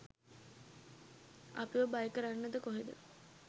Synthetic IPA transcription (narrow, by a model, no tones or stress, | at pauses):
a̰piʋəbajəkəɾanːəd̪əkoɦed̪ə̰